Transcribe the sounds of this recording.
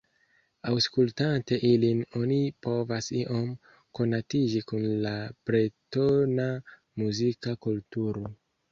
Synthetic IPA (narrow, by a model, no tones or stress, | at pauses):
awskultante̞ʔilino̞nipo̞vasiʔo̞m | ko̞natid͡ʒikunlabɾetona | muzikakultuɾo